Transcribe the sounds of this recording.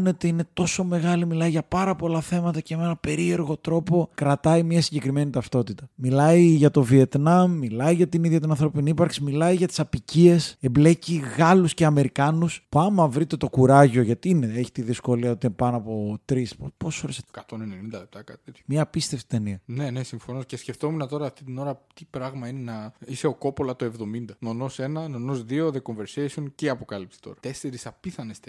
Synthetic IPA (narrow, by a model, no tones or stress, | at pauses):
ne̞t̪eine̞t̪o̞so̞me̞ɣɐlimilɐiʝɐpɐɾɐpo̞lɐθe̞mɐt̪ɐcemee̞nɐpe̞ɾie̞ɾɣo̞t̪ɾo̞po̞kɾɐt̪ɐimɲɐsiɲɟe̞kɾime̞nit̪ɐft̪o̞t̪it̪ɐmilɐiʝɐt̪o̞vie̞t̪nɐmːilɐiʝɐt̪iniðjʝɐt̪inɐnθɾo̞piniipɐɾksimilɐiʝɐt̪i̥sɐpicie̞se̞mble̞ciɣɐlusceɐme̞ɾikɐnuspuɐmɐvɾit̪e̞t̪o̞kuɾɐʝo̞ʝɐt̪iineeçi̥t̪iðisko̞liɐot̪inpɐnoɐpo̞t̪ɾispoposo̞ɾeskɐt̪o̞nenenind̪ɐlep̚t̪ɐkɐt̪itt̪et̪omɲɐːpist̪eft̪i̥t̪eniɐne̞ne̞siɱfo̞noscesce̞ft̪o̞menɐt̪o̞ɾɐːft̪it̪ino̞ɾɐt̪ipɾɐɣmɐine̞nɐise̞o̞ko̞po̞lɐt̪oe̞vðo̞mind̪ɐno̞no̞se̞nɐnonozðio̞ðe̞ko̞ɱve̞ɾsesionceɐpo̞kɐlipsi̥t̪o̞̰ɾɐt̪e̞se̞ɾisɐpiθɐnest̪e